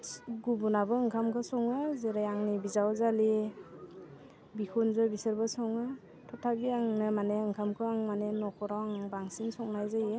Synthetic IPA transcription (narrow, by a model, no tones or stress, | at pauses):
ɡubunabɯːŋkʰamkʰɯsɔŋɯzeɾajaŋnibizawzali | bikʰɔnzɔbisɯɾbɯsɔŋɯ | tʰɔtʰabiaŋnɯmaneɯŋkʰamkʰɯaŋmanenɔkʰɔɾawaŋbaŋsinsɔŋnajzaje